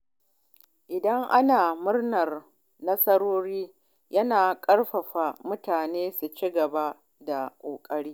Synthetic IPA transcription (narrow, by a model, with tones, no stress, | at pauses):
ʔɪ˨dɐ˦ŋʔa˦naː˨mʊ˦rnɐ˨r | nɐ˦sɐ˦ɾoː˦ɾiː˦ | jɐ˦naː˨kʼɐ˦ɽɸɐ˨ɸa˨mʊ˦taː˨neː˦su˨t͡ʃi˦ɡɐ˨ba˦ | da˨kʷʼoː˨kʼɐ˦ɾiː˦